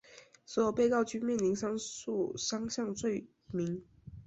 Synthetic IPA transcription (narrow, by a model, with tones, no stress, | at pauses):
swɔ˧˥jo˨˩ʊpe˥˧ɪkɑ˥˩ʊt͡ɕʰy˥mjɛ˥˩˨nli˧˥ŋʂɑ˥ŋu˥˩ʂɑ˥ŋɕjɑ˥˧ŋt͡swe˥˩ɪ | mi˧˥ŋ